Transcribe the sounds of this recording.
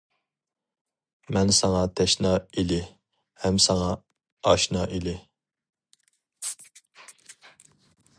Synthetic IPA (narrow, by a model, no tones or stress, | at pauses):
mɛnsɑŋɑt̪ʰɛʃnɑilɪ | hɛmsɑŋɑ | ɑʃnɑʔelɪ